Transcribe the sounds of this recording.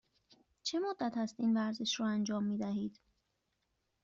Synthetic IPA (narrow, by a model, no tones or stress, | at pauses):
t͡ʃʰemod̪ːæt̪ʰæst̪iːnvæɾze̞ʃɾɔːænd͡ʒɒːmːiːd̪æɦiːd̪̥